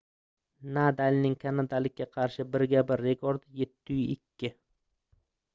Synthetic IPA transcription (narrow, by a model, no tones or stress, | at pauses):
nad̪alʲnɪŋkʰanad̪alɪkʲːaqʰɑɾʃɪbɪɾɡʲabɪɾːe̞kʰoɾd̪jet̪ʰːʊjɪkʲʰːɪ